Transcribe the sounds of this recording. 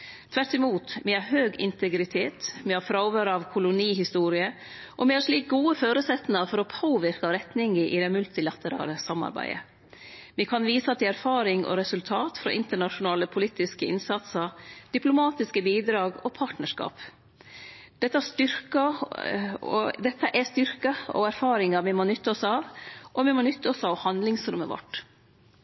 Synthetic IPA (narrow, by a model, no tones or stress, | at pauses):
t̪ʰʋæʈːɪmuːt̪mɛhɑɾɦøːɡɪ̰nt̪ʰɛɡɾɪt̪ʰeːt̪mɛhɑɾfɾɑʊʋøːɾɑʋkʰʊlʊniːɦɪst̪uːɾɪə | ʔɔmɪhɑɾʂliːk̚ɡuːəføːɾʉsɛt̪nɑfɔɾɔpʰoːʋɪɾkɑɾɛt̪nɪŋəʔɪd̪ɛmʉlt̪ɪlɑt̪əɾɑ̰ːləsɑmɑ̰ɾbæ̰ɪə̰ | mɛkʰɑnʋiːsɑt̪ʰɪæɾfɑːɾɪŋʔɔ̰ɾɛsʉlt̪ʰɑːt̪fɾɔ̰ʔɪnt̪əɳɑʂʊnɑːləpʰʊliːt̪ɪskəɪnsɑt̪səɾd̪̥ɪplʊmɑːt̪ɪskəbiːd̪ɾɑːɡɔpʰɑːʈnəʂkɑ̰ːp | d̪̥ɛt̪ːəæʂt̪ʏɾkɑ | ɔ̰d̪ɛt̪ːəʔɛst̪ʏɾkɑɔ̰æɾfɑːɾɪŋɑʋɪmoːnʏt̪ːɑɔsɑːʋʔɔʋɪmoːnʏt̪ːɑɔsɑʋhɑnd̪lɪŋsɾʉ̰mːə̰ʋɔ̰ʈː